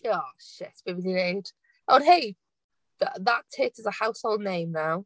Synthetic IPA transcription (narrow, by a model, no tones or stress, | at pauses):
jɔʃɪ̰tsb̥ɪbɪnəneɪd̥ | ʔoʊ̃nɦeɪ | ðəðətʰɪtɪzəhaʊshoʊlˠdⁿnẽɪ̃mnaʊ